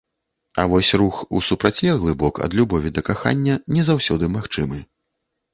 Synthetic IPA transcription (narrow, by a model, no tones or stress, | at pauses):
ɐ̰vɔsʲruxṵsupɾat͡sʲɛɣlˠɨbɔkɐ̰d̪lʲubɔvʲid̪ɐkaxa̰nʲːɐnʲɛzawsʲɔd̪ɨmaxt͡ʂɨmɨ